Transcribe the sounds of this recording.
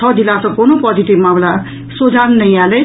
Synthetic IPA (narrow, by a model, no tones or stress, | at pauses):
ʌd͡zilasʌkonopʌd͡zit̪ibmala | sod͡zannʌjale